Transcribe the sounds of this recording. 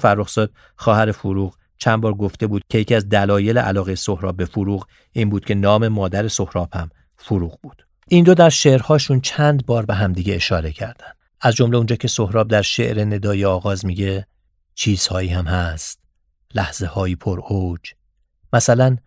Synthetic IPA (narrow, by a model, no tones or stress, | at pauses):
fæɾːoxz̥ɒːd̪̥̚ | xɒːhæɾe̞foɾuːɣ | t͡ʃʰænbɒːɾɡo̞ft̪e̞buːd̪̥̚cʰe̞jecʰiːæzd̪ælɒːje̞leʔæ̰lɒːɣejeso̞hɾɒ̰ːb̚be̞foɾuːɣ | iːnbuːd̪̥̚cʰe̞nɒːme̞mɒːd̪æɾe̞so̞hɾɒːb̥hæm | foɾuːɣbuːd̪̥ | ind̪od̪æɾʃe̞ʔɾhɒːʃuːnt͡ʃʰænd̪bɒːɾbe̞ɦæmd̪iːɟeːʃɒːɾe̞cʰæɾd̪ænd̪̥ʔæzd͡ʒomle̞und͡ʒɒːcʲʰe̞so̞hɾɒːb̚d̪æɾʃe̞̰ʔɾe̞ne̞d̪ɒːjeɒːɣɒːzmiːɟe̞ | t͡ʃʰiːz̥hɒːiːhæmhæst̪ | læhz̥e̞hɒːjipʰoɾod͡ʒ | mæsælæn